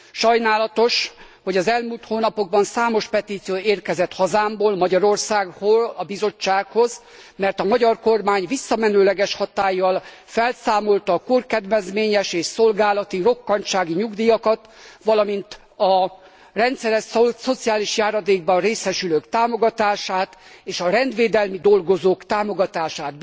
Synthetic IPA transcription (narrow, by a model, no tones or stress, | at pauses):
ʃɒjnaːlɒt̪o̞ʃ | ho̞ɟɒzɛlmult̪hoːnɒpo̞ɡ̚bɒnsaːmo̞ʃpɛt̪iːt̪sijoːeːrkɛzɛt̪hɒzaːmboːlmɒɟɒɾo̞rsaːɡholɒbizo̞t͡ʃːaːkho̞z | mɛrt̪ɒmɒɟɒrko̞rmaːɲvisːɒmɛnøːlɛɡɛʃhɒt̪aːjːɒl | fɛlsaːmo̞lt̪ɒːkurkɛd̪ʋɛzmeːɲɛʃeːʃso̞lɡaːlɒt̪iro̞kːɒɲt͡ʃaːɡiɲuɡd̪ijɒkɒt̪ | ʋɒlɒmint̪ | ɒ | rɛnt̪sɛɾɛsso̞t̪siaːliʃjaːɾɒd̪eːɡ̚bɒnreːsɛʃyløːkt̪aːmo̞ɡɒt̪aːʃaːt̪ | eːʃɒɾɛnd̪ʋeːd̪ɛlmid̪o̞lɡo̞zoːkt̪aːmo̞ɡɒt̪aːʃaːt̪